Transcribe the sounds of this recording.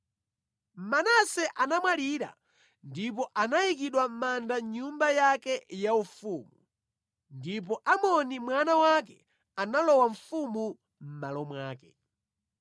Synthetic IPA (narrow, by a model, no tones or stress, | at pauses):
m̩manasɛʔanamwaliɾa̰ | ndipɔʔanajik̬iɗwam̩mandaɲumbajakɛjaufuːmu | ndip̬ɔʔamɔnimwanawak̬ɛ | analɔwaɱ̩fumu | m̩malɔmwaːkɛ̥